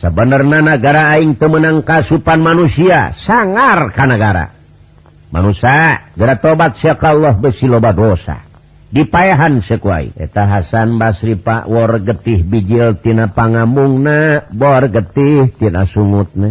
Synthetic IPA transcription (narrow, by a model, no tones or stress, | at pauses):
səbənərnanaɡaɾaːiŋt̪əmənaŋkasupanmanusia̰saŋarkanaɡaɾa̰ | ma̰nusaɡəɾat̪obat̪̚siakalːɔɦbəsilobadosa̰ | dipaeɦansəkua̰ḭḛt̪aɦasanbasɾipa̰ʔwɔrɡət̪iɦbid͡ʒilt̪inapaŋambuŋnabɔrɡət̪iht̪ina̰suŋut̪̚na